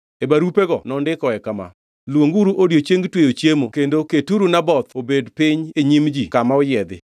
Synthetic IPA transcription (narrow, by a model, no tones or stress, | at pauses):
ebaɾupeɡɔnɔndɪkɔɛkama̰ | lwoŋɡuɾuʔodjot͡ʃjeŋɡtwejot͡ʃjemokendoketuɾunabɔt̪obedpɪɲeɲimd͡ʒikamaɔjɛd̪ɪ̰